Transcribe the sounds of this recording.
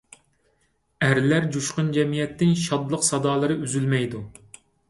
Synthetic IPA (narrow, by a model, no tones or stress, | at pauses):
æɾlæɾd͡ʒuʃqʊnd͡ʒɛmijɛt̪ʰːɪnʃɑd̪lˠəqsɑd̪ɑːlˠɨɾɨyzylmɛjd̪u